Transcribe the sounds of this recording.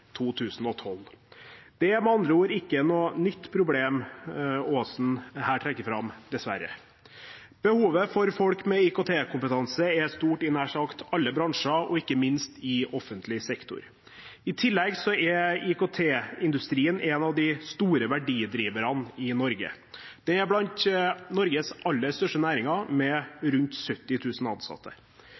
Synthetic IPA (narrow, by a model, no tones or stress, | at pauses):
t̪ʰuːt̪ʰʉːsn̩ɔt̪ʰɔld̪̥ɛɛɾmɑnd̪ɾəuːəɾɪkːənoːnʏt̪ːpʰɾʊbleːm | oːsn̩hæːʈʰɾɛkːəɾfɾɑmd̪̥ɛsʋæɾə̰ | b̥əhuːʋəfɔɾfɔlkmɛikot̪ʰeːkʰʊmpət̪ʰɑnsəɛst̪uːʈɪnæːʂɑkt̪ɑlːəbɾɑŋʂɑʔɔɪkːəmɪnst̪ɪɔfənt̪ʰlɪsɛkt̪ʊ̰ɾ | ɪt̪ʰɪlːɛɡsɔɛɪkot̪ʰeːɪnd̪ʉst̪ɾiːənʔɛnɑʋd̪ɪst̪uːɾəʋæɖiːd̪ɾiːʋəɾɑnɪnɔɾɡə̰ | d̪̥ɛnæblɑnt̪nɔɾɡəsɑlːəst̪œʂʈənæːɾɪŋɑmɛɾʉnt̪sœt̪ːɪt̪ʰʉːsn̩ɑ̰nsɑ̰t̪ʰːə̰